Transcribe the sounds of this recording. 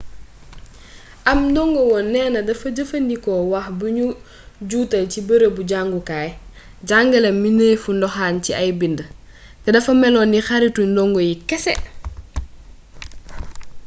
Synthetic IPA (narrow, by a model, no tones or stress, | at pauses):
ʔɐmdɔŋɡɔwɔnːɛːnɐdɐfɐɟɐfɐndikɔwaxbuɲu | ɟuːtɐlcibəɾəbuɟaŋɡukaːj | ɟaŋɡɐlɛminejfundɔxaːnciɐjbində | tɛdɐfɐmɛlɔːnixaɾitudɔŋɡɔjikɛsɛ̰